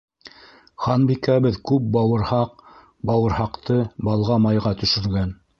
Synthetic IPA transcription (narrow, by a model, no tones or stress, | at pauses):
χɑnbikæβɘðkʉp̚bɑwɤ̆ɾhɑq | bɑwɤ̆ɾhɑqt̪ɤbɑlˠʁɑmɑjʁɑt̪ɵ̆ʃɵ̆ɾɡæn